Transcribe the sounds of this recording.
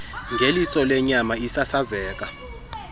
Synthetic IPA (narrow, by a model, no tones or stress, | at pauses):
ŋɡʱelisɔlɛɲamaisasazɛːk̬a